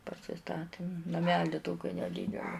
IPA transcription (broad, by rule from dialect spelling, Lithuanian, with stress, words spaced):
pɐsʲɪˈstɑːtʲɪm nɐˈmʲæːlʲɪ ˈtoːkʲɪ nʲɛˈdʲiːdʲɛlʲɪ